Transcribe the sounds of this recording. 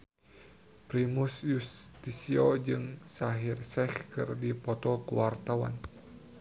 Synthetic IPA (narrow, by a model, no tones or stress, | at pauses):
pɾimusjust̪isiɔd͡ʒɨŋsaɦirsɛhkɨ̰rdipɔt̪ɔkuwart̪awa̰n